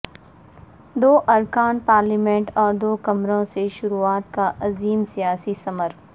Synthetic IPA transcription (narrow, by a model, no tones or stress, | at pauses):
d̪oːʔɐɾkaːnpaːɾlimẽɳʈɔːɾd̪oːkɐmɾõseʃʊɾuaːt̪̚kaʔɐziːmsijaːsisɐməɾ